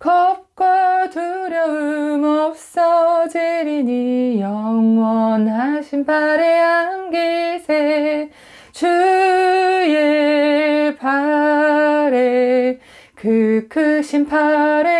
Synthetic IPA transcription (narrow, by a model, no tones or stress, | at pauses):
kʌp̚k͈watɯɾjʌɯmʌp̚s͈ʌteɾiɲijʌŋwʌnɦaɕʰinpʰaɾeɦanɡesʰe | t͡ɕu | je | pa | ɾe | kɯkʰɯɕʰimpʰaɾe